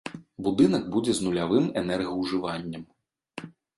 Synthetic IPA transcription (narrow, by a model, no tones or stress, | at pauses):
bud̪ɨnɐɡ̚bud͡zʲɛznulʲavɨmɛnɛrɣɐwʐɨvanʲːɐm